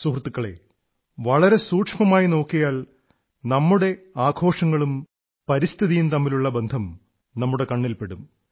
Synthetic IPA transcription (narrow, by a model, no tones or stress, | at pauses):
suhrt̪ːukːɐɭe̞̰ | ʋɐɭɐɾe̞suːʈʂmɐmaːjino̞ːkːijaːl | nɐmːuɽe̞aːɡʰʱo̞ːʂɐŋːɐɭum | pɐɾist̪ʰiðijumt̪ɐmːiluɭːɐbe̞nd̪ʱɐm | nɐmːuɽe̞kɐɳːilpe̞ɽum